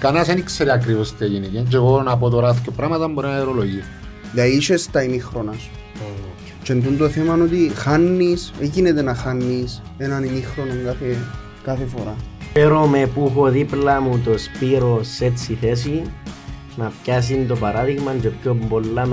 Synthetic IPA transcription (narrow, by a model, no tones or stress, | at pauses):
kɐnɐsenikseɾiɐk̬ɾivost̪ieʝinecend͡ʒeɣoɾonap̬ot̪oɾaθcopɾɐmɐt̪ɐmboɾinaeɾoloʝi | ðɐiʃest̪ɐinixɾonɐs | t͡ʃend̪und̪oθemɐnot̪ixanːisecinet̪enɐxanːis | enɐninixɾo̞noŋɡaθe | kɐθefoɾapeɾome̞puxo̞ðiplɐmut̪o̞spiɾo̞se̞t͡sːiθe̞s̬i | nɐpças̬int̪o̞pɐɾaðiɣmɐnd͡ʒepçombolːam